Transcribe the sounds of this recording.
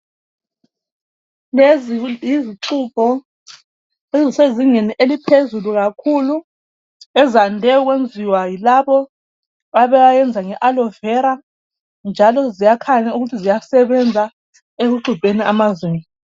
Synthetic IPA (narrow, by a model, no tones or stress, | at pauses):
lezjiziǁʰup̚ʰɔ | eziseziŋeniʔelipʰezuluɣakʰulu | ɛzandʱɛɔɣwend͡zʱiwajilaβɔ | βaβɛwajɛnd͡zʱaŋɛʔalɔvɛɾa | nd͡ʒʱalɔzijakʰaɲauɣutʰizijasɛβɛnd͡zʱa | eɣuǃub̥ʱeniamazweːni